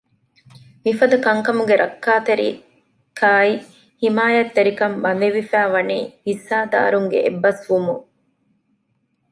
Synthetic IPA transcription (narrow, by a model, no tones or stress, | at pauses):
mifɐd̪ɐkɐŋkɐmuɡeɾʔɐkːaːt̪eɾḭ | kʰaːi | himaːjɐt̪ːeɾikɐmbɐnd̪eʋifæːʋɐniːhisaːd̪a̰ːɾuŋɡḛʔebːɐsʋumu